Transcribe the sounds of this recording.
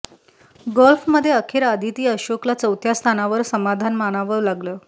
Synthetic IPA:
ɡɔlfməd̪ʱːjeəkʰeːɾad̪ʱit̪iːəɕoklat͡səwt̪ʰjast̪ʰanaʋəɾsəmad̪ʱanmanaʋəɾlaɡləː

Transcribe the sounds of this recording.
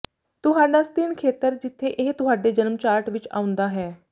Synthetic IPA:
t̪ʊɦaːɖaːst̪ɪɳkʰeːt̪əɾd͡ʒɪt̪ʰːeːʔɪɦt̪ʊɦaːɖeːd͡ʒənmt͡ʃaːɾʈʋɪt͡ʃa̰ːʊ̃nd̪aːɦɛː

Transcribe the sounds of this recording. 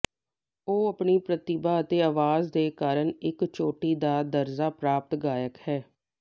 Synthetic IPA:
oːəpɳiːpɾət̪ɪbaːət̪eːaːʋaːzd̪eːkaːɾəɳɪkt͡ʃoːʈiːd̪aːd̪əɾzaːpɾaːp̚t̪ɡaːjəkhɛː

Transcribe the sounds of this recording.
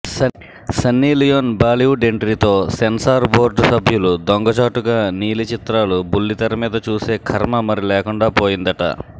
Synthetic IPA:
sɐnːiːlijoːnbaːliuɖeɳʈɾit̪o̞ːsensaːɾbo̞ːɾɖsɐbʱjulud̪oŋɡɐt͡ʃaːʈuɡaːniːlit͡ʃit̪ɾaːlubulːit̪ɐɾɐmiːd̪ɐt͡ʃuːse̞ːkʰɐɾmɐmɐɾilɛːkuɳɖaːpo̞ːjind̪ɐʈɐ̰

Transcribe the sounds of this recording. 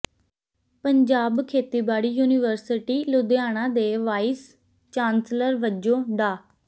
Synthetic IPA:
pəɲd͡ʒaːbkʰeːt̪iːbaːɽiːjuːnɪʋəɾsɪʈiːlʊd̪eaːɳ̃ãːd̪eːʋaːɪs | t͡ʃaːnsləɾʋəd͡ʒõːɖaː

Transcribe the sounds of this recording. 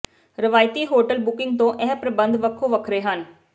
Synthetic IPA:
ɾɪʋaːjɪt̪iːɦoːʈəlbʊkɪŋɡ̚t̪õːʔɛːpɾəbənd̪ʋəkʰːoːʋəkʰɾeːɦən

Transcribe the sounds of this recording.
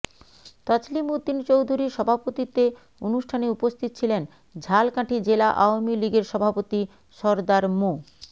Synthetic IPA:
t̪at͡ɕlimud̪ːint͡ɕowd̪ʱuɾiʃɔbʱapot̪it̪e | onuʃʈʰaneupost̪ʰit̪ot͡ɕʰilen | d͡ʑʱalkãʈʰid͡ʑelaʔaomiliɡeɾʃɔbʱapot̪i | ʃɔɾd̪aɾmo

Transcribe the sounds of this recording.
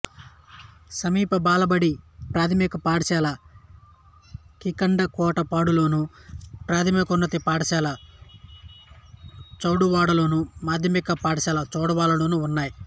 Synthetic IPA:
sɐmiːpɐbaːlɐbɐɽipɾaːt̪ʰɐmikɐpaːɽɐsaːlɐ | kikɐɳɖɐkɔːʈɐpaːɽulo̞ːnupɾaːt̪ʰɐmikunːɐt̪ipaːɽɐʃaːlɐ | t͡ʃɐwɽuʋaːɽɐloːnumaːd̪ʱjɐmikɐpaːɽɐsaːlɐt͡ʃɔːɽɐʋaːɽɐlo̞ːnuunːaːji

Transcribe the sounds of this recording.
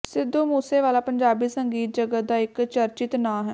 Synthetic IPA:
sɪd̪oːmuːseːʋaːlaːpəɲd͡ʒaːbiːsəŋɡiːt̪̚d͡ʒəɡəd̪aːɪkt͡ʃəɾt͡ʃɪt̪nãːɦɛː

